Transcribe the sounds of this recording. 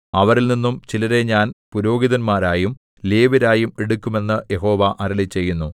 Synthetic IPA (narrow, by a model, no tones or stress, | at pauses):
ɐʋɐɾilninːumt͡ɕilɐɾe̞ɲaːnpuɾo̞ːɡiðɐnmaːɾaːjum | leːʋiɾaːjumeɽukʲːume̞nːɨje̞ɦo̞ːʋɐʔɐɾɐɭit͡ɕe̞jːunːu